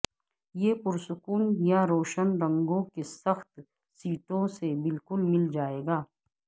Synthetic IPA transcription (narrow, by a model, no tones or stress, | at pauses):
jepʊɾsʊkʊnjaɾoːʃənɾɐ̃ŋɡõkesɐxt̪ | siːʈõsebɪlkʊlmɪld͡ʒaːeːɡaː